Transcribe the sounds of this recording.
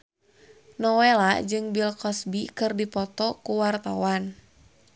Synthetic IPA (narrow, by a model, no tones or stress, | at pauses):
nɔwelad͡ʒɨŋbilkɔsbikɨrdipɔt̪ɔkuwart̪awan